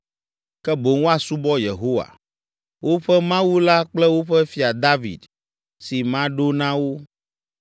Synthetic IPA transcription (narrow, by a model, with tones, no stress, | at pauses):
kɛ˦bo˨ŋo˦a˨su˦bɔ˦je˨ɦo˦wa̰˨ | wo˦ɸɛ˦mã˦wu˦la˦k͡plɛ˦wo˦ɸɛ˦fi˦a˨d̪a˦vḭ˨d̪ | si˨mã˦ɖo˦nã˦wo˦